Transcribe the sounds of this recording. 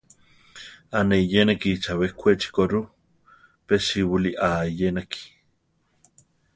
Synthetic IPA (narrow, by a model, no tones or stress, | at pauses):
aneijenekit͡ʃawekʷʰet͡ʃi̥koɾu | peʃiwuliʔajenaki̥